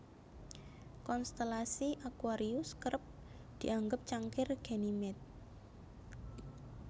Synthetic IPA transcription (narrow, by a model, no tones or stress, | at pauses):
kɔnst̪elasiʔakwaɾiʊskəɾəp̚ | d̪̥i̤ʔaŋɡəp̚t͡ʃaŋkɪrɡ̥e̤nimɛt̪̚